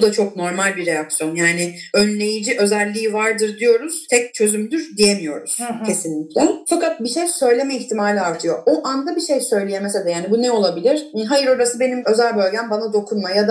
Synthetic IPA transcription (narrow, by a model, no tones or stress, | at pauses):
d̪at͡ʃʰokno̞ɾmalʲbiɾejaksjo̞njaːnɪønlʲe̞jid͡ʒiʔø̞zælʲːiːivaɾd̪ɯɾd̪ijo̞ɾuz̥t̪ʰɛc̚t͡ʃʰø̞zymyd̪yɾd̪ije̞mijo̞̰ɾuz̥cʰe̞sinlʲiclʲɛfakat̪̚biʃejsø̞jlʲe̞mɛiçt̪ʰimaːlʲiaɾt̪ʰɯjo̞ʔoʔand̪abiʃejsø̞jlʲijemeselʲɛjaːnibunɛo̞lˠabilʲiɾ̥ɦajɯɾo̞ɾasɯbe̞nimø̞zælʲbø̞lʲɟæmbanad̪o̞kʰunmajad̪a